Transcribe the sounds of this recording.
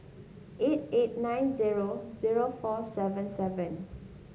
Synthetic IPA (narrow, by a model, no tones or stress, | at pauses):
ʔet̚et̚nãjnziɹoziɹofɔsɛvə̃nsɛvə̃n